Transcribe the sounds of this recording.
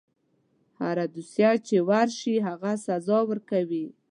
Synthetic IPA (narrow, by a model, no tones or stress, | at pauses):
ha̰ɾad̪usjat͡ʃewaɾʃiɦaɣasazɑwəɾkawi